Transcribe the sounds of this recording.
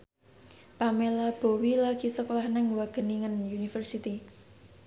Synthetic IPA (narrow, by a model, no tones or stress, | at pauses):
pamelab̥o̤wilaɡ̥i̤səkolahnɛŋwaɡ̥ə̤niŋənjunifərsit̪i